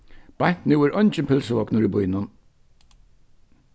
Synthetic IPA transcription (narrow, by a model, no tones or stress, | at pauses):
b̥ajn̥t̪nɪwæɾɔnt͡ʃɪnpʰɪlsəvɔknʊɾibʊjnʊn